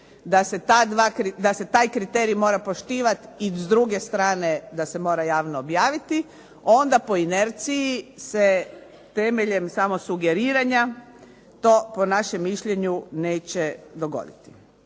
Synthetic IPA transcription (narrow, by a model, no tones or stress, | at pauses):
d̪ase̞t̪aːd̪ʋakɾid̪ase̞t̪aːjkɾit̪eːɾijmo̞ːɾapoʃt̪iːʋat̪izd̪ɾuɡe̞st̪ɾaːne̞d̪ase̞mo̞ːɾajaːʋnoːbjaːʋit̪i | o̞nd̪apo̞ineɾt̪sijise | t̪e̞meʎe̞msamo̞suɡe̞ɾiːɾaɲa | t̪o̞ːpo̞naʃe̞mːiʃʎeɲune̞ːt͡ɕed̪o̞ɡo̞̰d̪it̪i̥